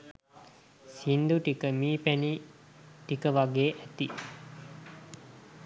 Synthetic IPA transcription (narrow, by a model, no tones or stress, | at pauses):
sind̪uʈikəmiːpæni | ʈikəʋaɡeːʔæt̪i